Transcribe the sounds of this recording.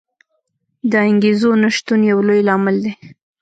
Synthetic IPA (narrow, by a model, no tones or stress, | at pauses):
d̪əɪŋɡezonaʃt̪unjawlojlɑmɪld̪e